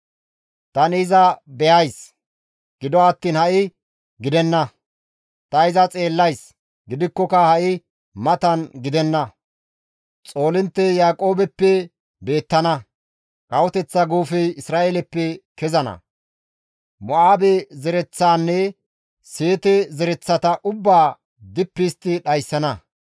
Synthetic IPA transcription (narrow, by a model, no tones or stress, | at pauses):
t̪ɐnɪzɐbɛjɐjs | ɡ̥ɪd̪ɔɐt̪ːiːnhɐʔɪ | ɡɪd̪ɛnːɐ | t̪ɐɪzɐt͡sʼe̞ːlːɐjs | ɡɪd̪ɪkːɔkɐhɐʔɪ | mɐt̪ɐnɡɪd̪ɛnːɐ | t͡sʼo̞ːlɪnt̪ːɛjaːkʼo̞ːbɛpːɛ | be̞ːt̪ːɐnɐ | kʼɐwɔt̪ɛt͡sːɐɡuːfɛjɪsɾaːʔeːlɛpːɛkɛzɐnɐ̰ | mɔaːbɛzɛɾɛt͡sːaːnːɛ | seːt̪ɛzɛɾɛt͡sːɐt̪ɐʔʊbːaː | d̪ɪpːɪst̪ːɪɗɐjsːɐnɐ